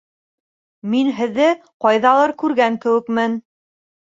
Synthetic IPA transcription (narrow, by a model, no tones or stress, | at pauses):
minɦɘ̆ðːɘqɑjðɑlˠɤɾkʉɾɡæŋkɘ̆wɘ̆kmɘn